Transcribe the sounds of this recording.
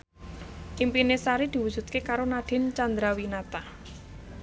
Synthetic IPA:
ʔimpinesaɾid̪̥i̤wud̥ʒ̥ṳt̪̚kekaɾonaɖ̪̥ɪ̤nt͡ʃand̪ɾawinat̪a

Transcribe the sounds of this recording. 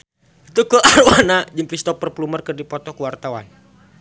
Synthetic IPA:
it̪ukəʔarwanad͡ʒəŋkɾist̪ɔpːərplumərkərdipɔt̪ɔkəwart̪awa̰n

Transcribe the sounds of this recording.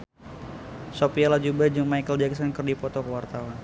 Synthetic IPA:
sopialad͡ʒubəd͡ʒuŋmajkəld͡ʒɛksɔnkərdipɔt̪ɔkəwart̪awan

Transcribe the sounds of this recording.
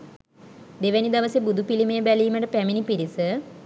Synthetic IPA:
d̪eʋænid̪ɐʋəsebud̪upilimejəbæliːməʈəpæminipiɾisə

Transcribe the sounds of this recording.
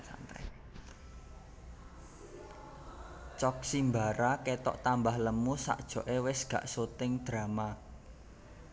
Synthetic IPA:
sa̰nt̪ɛ̰ | t͡ʃɔk̚simbaɾaket̪ɔ̰ʔt̪ambahləmusa̰ʔd̥ʒ̥ɔ̤ʔewɪsɡ̥ä̤̰ʔsot̪ɪŋd̪̥ɾama

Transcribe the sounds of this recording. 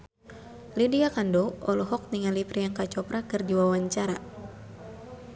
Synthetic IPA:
lidiakandɔɔlɔɦɔk̚niŋalipɾijaŋkat͡ʃɔpɾakɨrdiwawaɲt͡ʃaɾa

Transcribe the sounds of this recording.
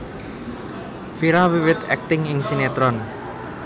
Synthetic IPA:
fiɾawiwɪt̪ɛ̰k̚t̪ɪŋɪŋsinet̪ɾɔn

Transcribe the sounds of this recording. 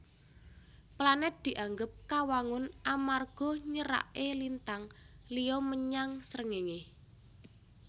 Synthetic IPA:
planɛt̪̚d̪̥i̤ʔaŋɡəp̚kawaŋʊnʔamarɡ̥ɔ̤ɲəɾa̰ʔelint̪aŋlijɔməɲaŋsəɾəŋeŋe

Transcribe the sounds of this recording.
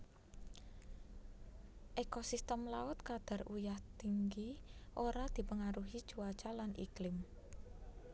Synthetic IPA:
ʔekosist̪əmlaʊt̪̚kad̪̥a̤rujaht̪iŋɡiʔoɾad̪̥i̤pəŋaɾuɦi̥t͡ʃuat͡ʃalanʔḭklɪm

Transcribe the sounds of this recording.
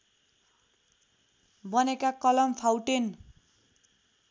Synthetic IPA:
bʌnekakʌlʌmpʰawʈen

